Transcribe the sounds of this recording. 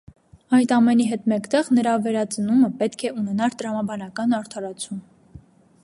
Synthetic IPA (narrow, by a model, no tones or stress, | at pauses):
ɑjt̪ɑmɛniɦɛt̪mɛkt̪ɛʁnəɾɑvɛɾɑt͡sənuməpɛt̪kʰɛunɛnɑɾt̪əɾɑmɑbɑnɑkɑnɑɾt̪ʰɑɾɑt͡sʰum